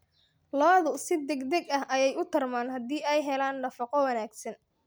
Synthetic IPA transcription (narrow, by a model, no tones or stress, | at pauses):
lɔːðʊsɪd̪ɛɡd̪ɛɡɐhʔɐjɛjʊt̪ʰɐrmaːnhɐd̪iːɛjɦɛlaːnɖɐfɑqɔwɑnaːɡsɐn